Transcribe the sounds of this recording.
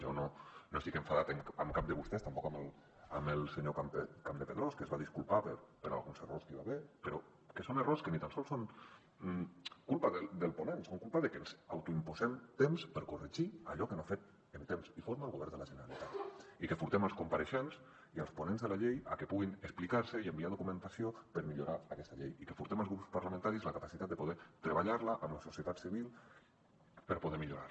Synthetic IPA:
ʒɔnonosikəɱfaðat̪əŋəmkap̚d̪əβust̪ɛst̪ampɔkaməlˠ | a̰məlˠsəɲokakamd̪əpeðɾɔskəzβaðiskulpapəɾpəɾa̰lˠɣunzərorskəiβaβepəɾo | kəsonəroɾskənit̪ansɔlsoŋ | kulpaðəld̪əlˠpunensoŋkulpaðəkenzawt̪uimpuzemt̪emspəɾkurəʒia̰ʎɔkənoafet̪ | ənt̪emsifoɾmalˠɣoβɛɾnd̪əlaʒənəɾalit̪at̪ikəfuɾt̪emalˠskumpaɾəʃens | iəlˠsponenzðəlaʎeja̰kepuɣinəsplikaɾsəiəmbiaðukumə̃nt̪asiopəɾmiʎuɾaːkɛst̪aʎejikəfuɾt̪emalˠzɣɾupspaɾlamẽnt̪aɾizləkapasit̪at̪̚d̪əpuðɛt̪ɾəβ̞aʎaɾlaʔamləsusiət̪at̪siβilˠ | pəɾpuðeɾmiʎuɾa̰ɾ

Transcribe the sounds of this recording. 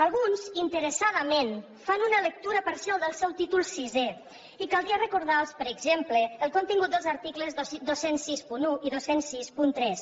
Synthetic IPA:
alˠɣunzint̪əɾəsaðəmen | fanunələk̚t̪uɾəpaɾsialˠd̪əlˠsɛwt̪it̪ulˠsize | ikalˠd̪iərəkuɾð̞alˠspəɾəɡzempləːlˠkont̪iŋɡut̪̚d̪əlzəɾt̪ikləzðosd̪osensːispunuʔiðosensːispunt̪ɾɛs

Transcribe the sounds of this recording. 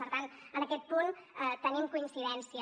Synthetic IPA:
əɾt̪anənəkɛt̪̚punət̪ənimkuinsiðɛnsiə

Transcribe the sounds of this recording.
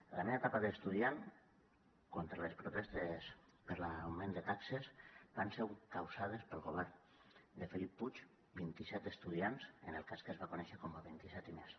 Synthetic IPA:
la̰menat̪apaðəːst̪uðian | kont̪ɾalespɾut̪est̪es | pəɾlawmẽnd̪ət̪aksezbansewkawsað̞espəlˠɣoβɛɾn | d̪əfelipːut͡ʃ | bint̪isɛt̪əst̪uðianzə̰nəlˠkaskəzβakonɛʃəkomaβint̪isɛt̪imes

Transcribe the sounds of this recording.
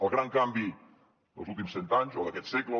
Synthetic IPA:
əlˠɣɾaŋkambi | ðə̰lˠzulˠt̪̬imsɛnt̪aɲzoðəkɛt̪sɛklə

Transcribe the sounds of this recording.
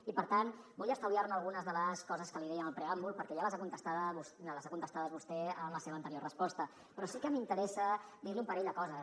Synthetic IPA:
ipəɾt̪anbɔʎəst̪awðiaɾnuəlˠɣ̞unəzðələskɔzəskəliðɛənəlˠpɾeambulˠpəɾkɛjaləzakunt̪əst̪aðəusaləzakunt̪əst̪aðəzβust̪ɛəmləseβəːnt̪əɾiorəspɔst̪ə | pɾɔsikəmint̪əɾɛsəd̪iɾliumpəɾɛʎd̪əkɔzə

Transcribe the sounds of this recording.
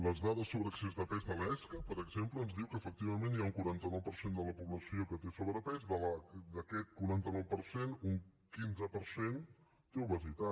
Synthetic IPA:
ləzðaðəsːoβɾəksezðəpɛzðəlɛskəpəɾəɡzempləːnzðiwkəːfək̚t̪iβəmeniauŋkuɾant̪ənɔwpəɾsend̪ələpuβləsiokət̪esoβɾəpɛzðələd̪əkɛt̪̚kuɾant̪ənɔwpəɾsenuŋkinzəpəɾsen | t̪euβəzit̪a

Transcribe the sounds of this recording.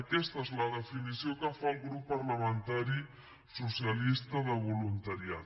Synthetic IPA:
əkɛst̪əezləðəfinisiokəfalˠɣɾupːəɾləmənt̪aɾi | susiəlist̪əðəβulunt̪aɾiat̪

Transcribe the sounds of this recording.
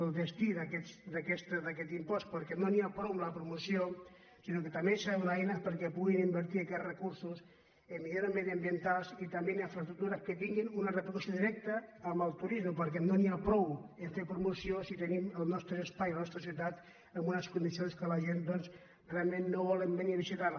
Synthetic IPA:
əlˠd̪əst̪iðakɛt̪sd̪akɛst̪d̪akɛt̪impɔst̪pəɾkɛmnoniapɾɔwəmləpɾumusijo | sinokət̪amesawðɛjnəpəɾkɛpuɣinimbəɾt̪iakɛt̪rəkuɾsus | əmmiðjanamɛðiambiənt̪alˠsit̪ɐmbeniɱfɾɐst̪ɾuk̚t̪uɾəkət̪iŋɡinunərəpɾkusoðiɾɛk̚t̪əːmbəlˠt̪uɾizməpəɾk̬ɛnoniapɾɔwəɱfepɾumusiosit̪əniməlˠnɔst̪ɾəːspajlɐnɔst̪ɾəs̬jiwt̪at̪ | əmbunəskund̪isionskəlɐʒend̪ɔns | realˠmenːoβɔləmbeniβisit̪aɾ

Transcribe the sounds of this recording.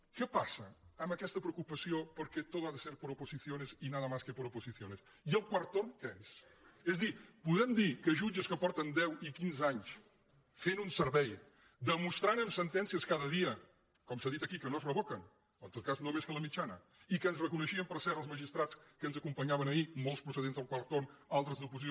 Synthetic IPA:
kɛpasəəmbəkɛst̪əpɾəukupəsiopəɾkɛt̪ot̪aðəseɾpəɾupuziθionezinaðəmaskəpəɾupuziθjones | iəlˠkwəɾt̪onkəes | ezðipuðɛmd̪ikəʒud͡ʒəskəpɔɾt̪ənd̪ɛwikinzaɲs | fenunsəɾβɛj | d̪əmust̪ɾanəmsənt̪ɛnsiəskaðəðiə | kɔmsaðit̪əkikənozrəβokən | ənt̪ot̪̚kaznomeskələmit͡ʃanə | ikəːnzrəkunəʃiəmpəɾsɛɾəlˠzməʒist̪ɾat͡skənzəkumpəɲaβənəimolˠspɾusəðenzðəlˠkwaɾt̪onalˠt̪ɾəzðupuzi

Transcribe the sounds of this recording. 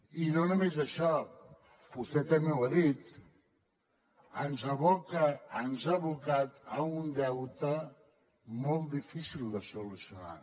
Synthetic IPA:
inonəmezəʃɔ | bust̪ɛt̪əmewaðit̪ | ənzaβokəːnzaβukat̪əund̪ɛwt̪ə | mɔlˠt̪̚d̪ifisilˠd̪əsulusiuna̰

